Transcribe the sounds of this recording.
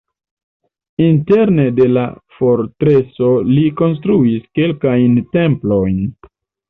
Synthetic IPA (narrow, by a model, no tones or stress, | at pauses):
inte̞ɾne̞de̞la̰fo̞ɾtɾeso̞liko̞ns̬tɾuiske̞lkajnte̞mplo̞jn